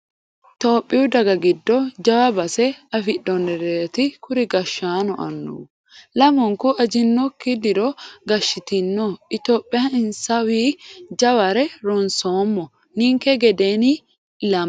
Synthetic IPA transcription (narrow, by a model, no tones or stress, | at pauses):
t̪o̞ːpʼːɪʊd̪ɐɡɐɡɪd̪ːɔd͡ʒɐwɐbɐsɛɐfɪɗːɔnːɛɾeːt̪ɪkʊɾɪɡɐʃːaːnɔʔɐnːṵː | lɐmɔŋkʊʔɐd͡ʒɪnːɔkːɪd̪ɪɾɔɡɐʃːɪt̪ɪnːɔɪt̪oːpʼːɪjɐɪnsɐwiːd͡ʒɐwɐɾɛɾɔnsoːmːɔ | nɪŋkɛɡɛd̪eːnɪ | lɐm